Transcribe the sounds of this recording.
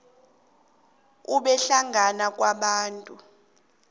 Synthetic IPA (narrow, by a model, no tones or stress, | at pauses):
uɓɛɬaŋʱanak̬ʼwaɓaːntʼu